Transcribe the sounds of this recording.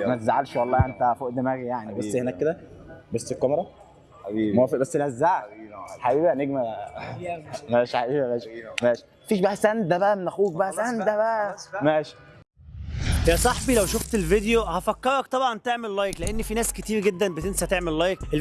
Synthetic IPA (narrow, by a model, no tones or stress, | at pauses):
mæt̪zaʕalʃwɑlˤːɑːjʔent̪æfoʔd̪mæːɡijaʕnibæsːhenæːkːed̪æbæsːekːɑmeɾˤɑ | mfbæsːlæzːaʕħaʔiːbæneɡmæ | mæːʃʕaʔiːbæmæːʃmæːʃi̥mæfiːʃbæʔæsænd̪æbæʔæmenæxuːɡ̚bæʔæsænd̪æbæʔæmæːʃi̥ | jæsˤɑħbilæwʃoft̪elved̪ejohæfækːɑɾˤɑk̚t̪ˤɑbʕɑnt̪eʕmellɑjekleʔenːifinæːsket̪iːɾɡed̪ːænbet̪ensæht̪eʕmellɑjekel